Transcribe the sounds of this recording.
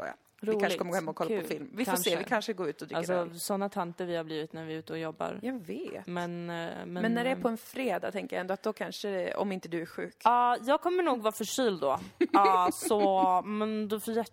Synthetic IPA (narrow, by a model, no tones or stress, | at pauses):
so̰ːja̰ | ɾuːkanʂʂɪɡkɔməɡoːhɛmːaɔkʰɔlːaʉpɔfɪlmvɪfkʰaoseːvɪkʰanʂəɡoːɾʉ̟ːt̪ɔd̪ɾɪalːsɔsɔnːat̪ʰant̪əɾvɪhaɾbliːvɪt̪næɾvɪʉ̟ːt̪əɔjɔbːa̰ɾjɑveːmɛnmɛmɛnːæɖɛæpʰɔɛnfɾeːd̪a̰t̪ʰɛŋkəja̰ɛnd̪ɔat̪̚d̪ɔkʰanʂəd̪ɛɔ̰mɪnt̪əd̪ɵæɾɧʉ̟̰ːkɑːjɑːɡ̚kʰɔmːəɳuːɡvɑːfœʂyːld̪ɔɑsɔmɛnd̪ɔfɔjɛ